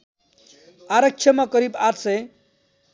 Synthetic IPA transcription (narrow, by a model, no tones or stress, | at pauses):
aɾʌk̚t͡ʃʰjʌmʌkʌɾibat̪sʌj